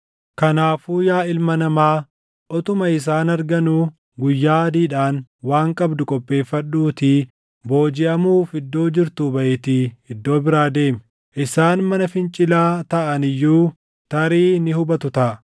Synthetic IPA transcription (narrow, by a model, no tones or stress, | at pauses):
kɐnaːfuːjaːɪlmɐnɐmaː | ʔɔt̪ʊmɐɪs̬aːnɐɾɡɐnuː | ɡʊjːaːɐd̪iːᶑaːnwaːŋkʼɐbd̪ʊkʼɔpʼːe̞ːfːɐᶑːuːt̪ɪ | bo̞ːd͡ʒɪʔɐmuːfɪd̪ːo̞ːd͡ʒɪɾt̪uːbɐʔeːt̪ɪɪd̪ːo̞ːbɪɾaːd̪e̞ːmɛ | ʔɪsaːnmɐnɐfɪnt͡ʃʼɪlaːt̪ɐʔɐnɪjːuː | t̪ɐɾiːnɪhʊbɐt̪ʊt̪ɐʔ